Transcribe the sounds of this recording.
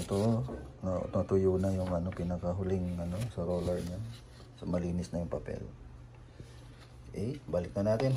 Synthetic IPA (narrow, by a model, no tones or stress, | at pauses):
t̪oʔonɐ̰t̪ɐt̪ʊjuːnɐjʊŋʔɐno̞pɪnɐkɐɦʊlɪŋʔɐno̞sɐɾoːlɐɹɲa | sɐmɐliːnɪsnɐjʊŋpɐpɛ̰l | ʔɛbalɪk̚nɐnaːt̪ɪn